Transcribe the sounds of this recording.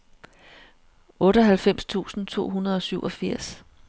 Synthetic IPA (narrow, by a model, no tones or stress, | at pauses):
ɔ̽ːɾəɒɦælfem̰st͡sʰṵːsn̩t͡sʰo̝̰ːɦunɐð̞ˠɒ̽syʊʔɒ̽fiɐ̰s